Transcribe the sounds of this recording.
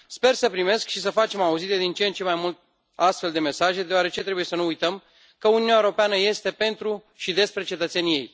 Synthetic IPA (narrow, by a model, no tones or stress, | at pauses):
spe̞rsəpɾime̞skʃis̬əfat͡ʃe̞mauzid̪ed̪int͡ʃent͡ʃe̞majmult̪̚ | ast̪fe̞ld̪e̞me̞saʒe̞d̪eoaɾe̞t͡ʃe̞t̪ɾe̞buje̞sənuːjt̪əm | kəununjaeɾo̞peanəje̞st̪e̞pe̞nt̪ɾu | ʃid̪e̞spɾe̞t͡ʃe̞t̪ət̪se̞nije̞̰j